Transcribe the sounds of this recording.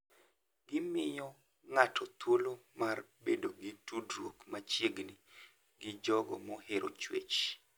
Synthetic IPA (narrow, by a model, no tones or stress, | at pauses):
ɡɪmɪjɔ | ŋatʰɔt̪wolomarbedoɡɪtudɾwokmat͡ʃjeɡni | ɡɪd͡ʒɔɡɔ̰mɔheɾʔot͡ʃwḛt͡ʃ